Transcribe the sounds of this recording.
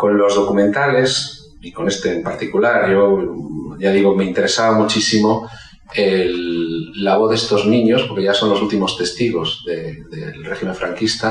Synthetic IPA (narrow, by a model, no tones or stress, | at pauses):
kõ̞nlo̞zð̞o̞kumẽnt̪ale̞s | iko̞ne̞st̪eːmpaɾt̪ikulaɾʝo | ʝaðiɣ̞omeint̪e̞ɾesaβamut͡ʃisimo̞ | elː | aβoθðest̪o̞znĩɲospoɾkeʝaso̞nlosult̪imo̞st̪e̞st̪iɣo̞zðeðelrexime̞ɱfɾaŋkist̪a